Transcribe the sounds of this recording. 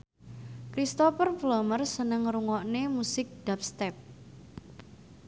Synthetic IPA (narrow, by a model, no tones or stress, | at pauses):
kɾist̪ɔfərflɔmərsənəŋɾuŋɔʔnemusɪk̚d̥ap̚st̪ɛp̚